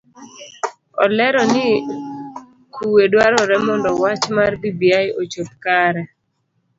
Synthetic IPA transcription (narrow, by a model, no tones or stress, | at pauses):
ɔ̰lɛɾɔnɪ | kʰuwedwaɾɔɾɛmɔndɔwat͡ʃmarbibiajʔot͡ʃop̚kaɾɛ